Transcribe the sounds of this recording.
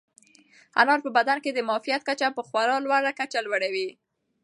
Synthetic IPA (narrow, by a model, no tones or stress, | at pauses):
ha̰nɑɾpəbad̪anked̪əmɑfijat̪̚kat͡ʃapəxwaɾɑlwaɾakat͡ʃalwaɽawi